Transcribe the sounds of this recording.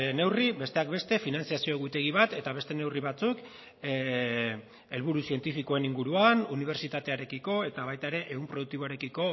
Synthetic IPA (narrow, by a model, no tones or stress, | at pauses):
ne̞wribe̞st̪e̞ak̚be̞st̪e̞finant͡siasio̞eɣut̪e̞ɣ̞iβat̪e̞t̪aβe̞st̪e̞ne̞wriβat͡suk | e̞lβuɾusie̞nt̪ifiko̞e̞niŋɡuɾuanuniβ̞e̞ɾt͡ʃit̪at̪e̞aɾe̞kiko̞e̞t̪aβajt̪ae̞ɾe̞ʔeɣumpɾoðukt̪iβo̞aɾe̞kiko̞